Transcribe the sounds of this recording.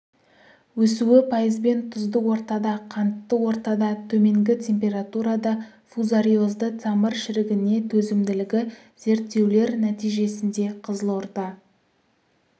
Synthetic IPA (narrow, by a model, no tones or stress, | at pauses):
wɵsuɪpʰɑjəzbe̞nt̪ʰʊzd̪əwo̞ɾt̪ɑd̪ɑqʰɑnt̪ːəwo̞ɾt̪ɑd̪ɑt̪ʰɵme̞ŋɡʲɪt̪ʲʰe̞mpʲe̞ɾat̪uɾɑd̪ɑ | fuzaɾijo̞zd̪ət̪ʰɑmərʃɪɾɪɡʲɪne̞t̪ʰɵzɪmd̪ɪlɪɡʲɪ | z̥e̞ɾt̪ːe̞wle̞ɾnæt̪ijʒe̞sɪnd̪e̞qʰəzəlˠoɾd̪ɑ